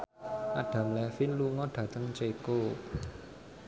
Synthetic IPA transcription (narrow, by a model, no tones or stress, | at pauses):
ʔaɖ̥ä̤mlɛfinluŋɔɖ̥ä̤t̪əŋt͡ʃeko